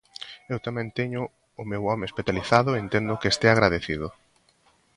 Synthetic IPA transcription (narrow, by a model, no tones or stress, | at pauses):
ewt̪amɛ̃nt̪ɛɲʊ | ʊmewɔmeespeθjaliθaðʊent̪end̪ʊkeest̪eaɣɾaðeθið̞ʊ